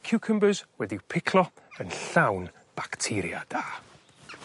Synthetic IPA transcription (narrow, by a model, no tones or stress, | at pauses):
kʰɪwkʰəmbəzwɛdɪwpʰɪkʰlˠɔ | ənɬawn | b̥aktʰɪɾja̰d̥aː